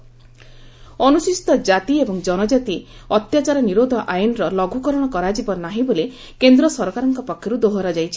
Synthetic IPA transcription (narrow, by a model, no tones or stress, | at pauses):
ɔnusist̪ɔd͡ʒat̪iebɔŋd͡ʒɔnɔd͡ʒat̪iɔt̪jat͡ʃaɾɔniɾod̪ʱɔʔajɔnɾɔlɔɡʱukɔɾɔɽ̃ɔkɔɾad͡ʒibɔnaɦibole | kend̪ɾɔsɔɾɔkaɾɔŋkɔpɔkʰjɔɾud̪oɦɔɾɔd͡ʒajt͡ʃʰi̥